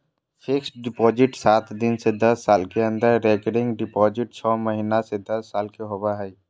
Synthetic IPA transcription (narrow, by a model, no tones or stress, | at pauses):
fʰɪksɖɪpɔːd͡ʒɪʈsaːt̪d̪ɪnsed̪ɐsːaːlkeə̃nd̪əɾːɛːkəɖɪ̃ŋɡɖɪpɔːd͡ʒɪʈ̚t͡ʃʰɔmɐɦinased̪ɐsːaːlkeɦobaɦɛi